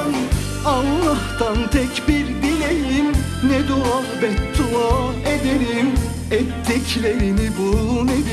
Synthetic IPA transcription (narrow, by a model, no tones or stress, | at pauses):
n | alˠlˠaht̪ant̪ʰɛcbiɾb̪ilʲejim | nɛd̪ua | bɛt̪ʰːuaː | ed̪eɾim | ɛt̪ːɛclʲeɾinibuned̪